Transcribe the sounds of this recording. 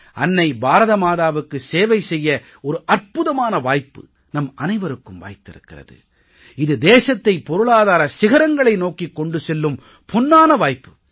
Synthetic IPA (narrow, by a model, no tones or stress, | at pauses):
ʔɐnːɐɪbaːɾɐðɐmaːðaːʋɯkːɯseːʋɐɪsɛjːɐ | ɔɾɯʔɐrpʊðɐmaːnɐʋaːjpːɯ̰ | nɐmɐnɐɪʋɐɾɯkːɯmʋa̰ːjt̪ːɪɾɯkːɪrɐ̰ðɯ̰ | ɪðɯd̪eːsɐt̪ːɐɪpɔɾɯɭaːðaːɾɐsɪɣɐɾɐŋɡɐɭɐɪnoːkikːɔɳɖɯsɛlːɯm | pɔnːaːnɐʋaːjpːɯ